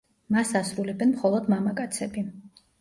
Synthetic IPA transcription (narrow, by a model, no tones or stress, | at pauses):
masasɾulɛbɛnmχɔlˠɔd̪mamakʼat̪sʰɛbi